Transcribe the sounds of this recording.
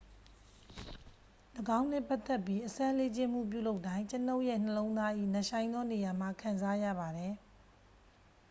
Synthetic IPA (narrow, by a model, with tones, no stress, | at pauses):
ləɡã˦ʊ̃n̥ɪ̃˦˨pa˦t̪ːɛ˦˨pji˦ʔəsã˦le˦t͡ɕɪ̃˦m̥ṵ˦˨p̬jṵ˦˨lo˦ʊtːã˦ɪ̃t͡ɕəno˦ʊʔjɛ̰˦˨n̥ə˨lõ˦ʊ̃nd̪a˦ʔḭ˦˨nə˨ʃã˨ɪ̃nd̪ɔ˦ne˨ja˨m̥a˨kʰã˨nza˦jä̰˦˨ba˨ɾɛ˨